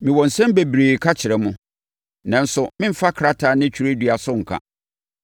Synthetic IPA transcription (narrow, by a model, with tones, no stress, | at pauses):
mĩ˨wɔ̃˨n̩˨sɛ̃˦m˦be˨bɾiː˨kʰa˦t͡ɕʰɪ˨ɾɛ˨mʊ̃˦ | nã˨n̩˦sʊ˨mɪ̃˦m̩˨fa˦kʰɾa˦tʰa˨nɪ̃˦t͡ɕʰᶣu˨ɾe˦dɥa˨sʊ˦ŋ̩˨kʰa̰˦